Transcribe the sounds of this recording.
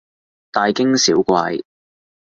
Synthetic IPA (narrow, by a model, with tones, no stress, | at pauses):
t̪aː˨˧jkɪ˥ŋsiː˨˥wkʷaː˧j